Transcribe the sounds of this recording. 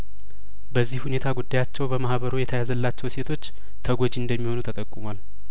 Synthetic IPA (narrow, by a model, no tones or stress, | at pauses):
bəzːihhune̞t̪ʰaɡud̪ːajat͡ʃːɛwbəmahβəɾojɛt̪ʰəjazəlːat͡ʃːɛwse̞t̪ʰo̞t͡ʃː | t̪ʰəɡod͡ʒiɨnd̪əmːiho̞nut̪ʰət̪ʼəkʼːumwal